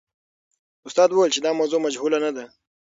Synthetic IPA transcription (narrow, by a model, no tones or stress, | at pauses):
ʊst̪ɑːd̪wowelt͡ʃed̪ɑmawzomɐd͡ʒɦuːlanad̪a